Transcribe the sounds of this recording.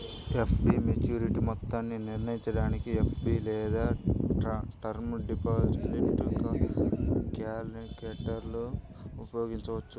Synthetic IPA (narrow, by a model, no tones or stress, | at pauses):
epʰbiːmet͡ʃjuːɾiʈimɔt̪ːaːnːiniɾnɐjiɲt͡ʃɐɽaːnikiepʰbiːlɛːd̪aː | ʈɐɾmɖipaːd͡ʒeʈːukɐ | kaːlikeːʈɐɾlu | upɐjo̞ːɡiɲt͡ʃɐʋɐt͡ʃːu